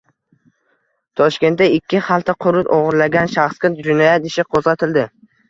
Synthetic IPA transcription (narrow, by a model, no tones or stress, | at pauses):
t̪ʰɒʃkʲe̞nt̪d̪aɪkʲːɪχalˠt̪ʰaqʰʊɾʊt̪oʁɨɾlaɡʲanʃaχskʲɪt̪d͡ʒʊnajat̪ɪʃɪqʰozʁat̪ʰɪld̪ɪ